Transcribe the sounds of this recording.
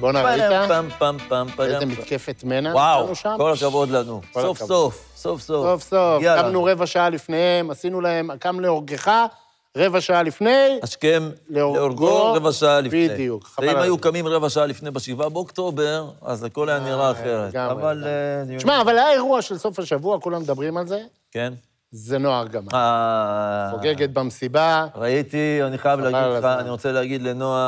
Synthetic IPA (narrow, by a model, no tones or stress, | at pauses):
bonaʁiaampampampaeembittkefet̪menawawnuʃamkolakavod̪lanukosofsof | sofsosofsofaamnuʁe̞vaʃaalifnehemasinulae̞makamleoʁɡe̞χa | ʁe̞vaʃaalifne̞jhaʃke̞mleoʁeoɡoevaʃaalibied̪ijukaaimajukamimʁevaʃaalifne̞jbeʃivabeokt̪o̞beʁa̰zako̞lajaniʁaːχe̞ʁetɡamaʁvalʃmaːvalaaeʁuaʃelso̞fhaʃavuakulamed̪abʁimalze̞ | ken | zeno̞aʁɡamaa | oɡeɡe̞t̪̚bamsibaʁait̪ianiχajavleaɡaiaːniʁot͡seleaɡid̪lenoa